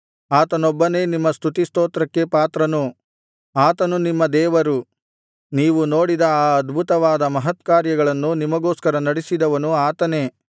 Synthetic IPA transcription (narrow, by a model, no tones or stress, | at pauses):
aːt̪ɐnɔbːɐne̞ːnimːɐst̪ʰut̪ist̪oːt̪ɾɐkːe̞paːt̪ɾɐnu | aːt̪ɐnunimːɐd̪ɛːʋɐɾu | niːʋuno̞ːɽid̪ɐaːɐd̪bʱut̪ɐʋaːd̪ɐmɐɦɐt̪kaːɾjɐɡɐɭɐnːunimɐɡoːskɐɾɐnɐɽisid̪ɐʋɐnuaːt̪ɐne̞ː